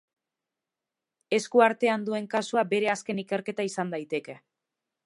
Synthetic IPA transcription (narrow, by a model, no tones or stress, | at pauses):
e̞skuaɾt̪e̞and̪ue̞ŋkasuabe̞ɾe̞aske̞nike̞ɾke̞t̪aisand̪ajt̪e̞ke̞